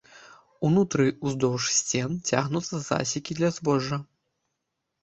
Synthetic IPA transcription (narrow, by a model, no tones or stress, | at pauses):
unut̪ɾɨuzd̪ɔwʂsʲt͡sʲɛnt͡sʲa̰ɣnut̪sːɐza̰sʲikʲid̪lʲɐzbɔʐːɐ